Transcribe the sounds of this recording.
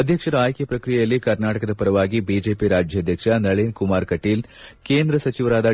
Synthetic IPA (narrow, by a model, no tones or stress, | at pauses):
ɐd̪ʱjɐkʂɐɾɐaːjkjɐpɾɐkɾijɐjɐlːikɐɾnaːʈɐkɐd̪ɐpɐɾɐʋaːɡibiːd͡ʒeːpiɾaːd͡ʒʱjɐd̪ʱjɐkʂɐnɐɭeːnkumaːɾkɐʈiːl | keːnd̪ɾɐsɐt͡ʃiʋɐɾaːd̪ɐ